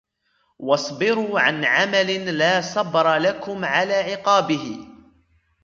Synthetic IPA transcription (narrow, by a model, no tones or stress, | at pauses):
wɑsˤbɪɾuːʕanʕamalɪlaːsˤɑbɾˤɑlakʊmʕalaːʕɪqɑːbɪhɪ